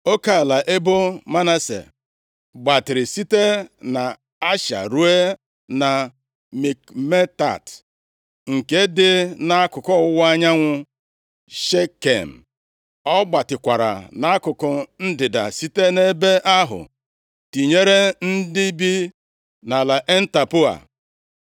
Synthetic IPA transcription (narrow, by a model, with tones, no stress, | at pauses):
o˦ka˦˨la˨ʔe˦bo˦ma˦na˦sḛ˨ | ɡ͡ba˨tɪ˨ɾɪ˨si˦te˦na˨ | a˦ʃa̰˨ɾu˦e˦ | na˨ | mi˨kme˦ta̰˨t | ŋ̩˨ke˦dɪ˦na˦a˦kʊ˨kɔ˦ʊ˦wa˦ɲa˦ŋʷʊ˦ | ʃe˦kḛ˨m̩˨ | ɔ˦ɡ͡ba˨tɪ˨kʷa˨ɾa̰˨na˦a˦kʊ˨kɔ˨n̩˦dɪ˨da̰˨si˦te˦ne˦be˦ʔa˦ɦʊ̰˨ | ti˨ɲe˦ɾe˦n̩˦dɪ˦bi˦ | na˨la˨ʔe˦n̩˦ta˨pʊ˦a̰˨